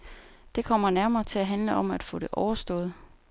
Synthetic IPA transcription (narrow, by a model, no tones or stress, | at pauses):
d̥e̝kʰɒ̽m̰ɐnæɐmɐːt͡sʰe̝æɦænləʔɒ̽mæd̥fɔ̽ːɾ̥e̝ʔɒʊɐsd̥ɔ̰̽ːð̞̩ˠ